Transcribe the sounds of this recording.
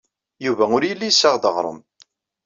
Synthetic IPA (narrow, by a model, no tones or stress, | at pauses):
juvæʊɾjəlːijsːəʁd̪əʁɾˤə̰m